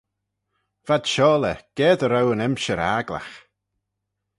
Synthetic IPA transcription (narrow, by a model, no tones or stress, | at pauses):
v̥ad̪̥ʃɔːləɡ̥ɛːd̪əɾawənɛmʃəɾaɡla̰x